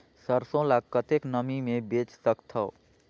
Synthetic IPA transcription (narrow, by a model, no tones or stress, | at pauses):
səɾsõlakət̪eknəmimebet͡ʃsəkt̪ʰəo